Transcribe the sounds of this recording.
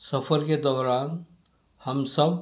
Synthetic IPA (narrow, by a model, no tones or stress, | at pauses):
səpʰəɾked̪ɔːɾaːn | həmsəb